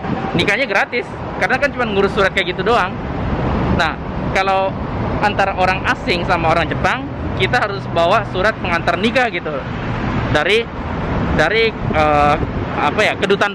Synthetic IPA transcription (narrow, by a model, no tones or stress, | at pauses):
nikaɲaɡəɾat̪ɪs | kaɾənakant͡ʃumanŋuɾʊsːuɾat̪̚kajɡit̪udoaŋ | nah | kalawʔant̪aɾaʔoɾaŋasɪŋsamaoɾaŋd͡ʒəpaŋ | kit̪aɦaɾʊsbawasuɾat̪̚məŋant̪arnikaɡit̪u | daɾi | daɾiə | apajakədut̪an